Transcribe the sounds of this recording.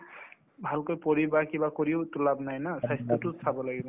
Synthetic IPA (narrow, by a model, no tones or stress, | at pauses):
bʱalkojpɔɹibakibakoɹiotulabnajnasajst̪ɔtʊsʰabɔlaɡibɔ